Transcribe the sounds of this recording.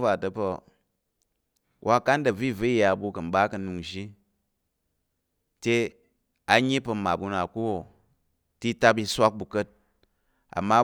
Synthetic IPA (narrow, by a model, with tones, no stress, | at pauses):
va˨tɐ˨pɐ˧ | wʔa˦ka˦ndɐ˨vi˦˨vi˦i˨ja˧˨bu˧kɐ˨m̩˦ba˦kɐ˧nu˧ŋʒi˦ | te˧ | a˧ɲi˦pɐ˧ma˨bu˧na˨ku˦wo˨ | ti˦ta˦p̬i˧sʷa˦k̚bu˨kə˦t̚ | a̰˨mːa˦